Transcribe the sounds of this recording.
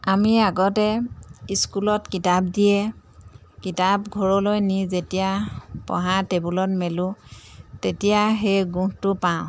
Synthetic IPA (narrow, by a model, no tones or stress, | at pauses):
amiaɡɔtɛiskulɔtkitap̚dijɛ | kitapɡʱɔɹɔlojnizetijapɔ̰̃ɦatebulɔtmɛlʊ̃ | tetijaxejɡũhtʊpaʊ̃